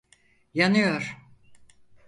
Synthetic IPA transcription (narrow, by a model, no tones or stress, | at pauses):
janɯjoɾ̥